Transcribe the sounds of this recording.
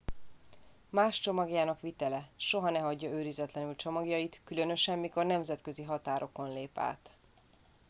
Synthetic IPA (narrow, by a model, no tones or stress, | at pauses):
maːʃt͡ʃo̞mɒɡjaːnɒkʋit̪ɛlɛʃo̞ɦɒnɛɦɒɟːɒøːɾizɛt̪lɛnylt͡ʃo̞mɒɡjɒjit̪kylø̞nø̞ʃɛmːiko̞rnɛmzɛt̪kø̞ziɦɒt̪aːɾʔo̞ko̞nleːpa̰ːt̪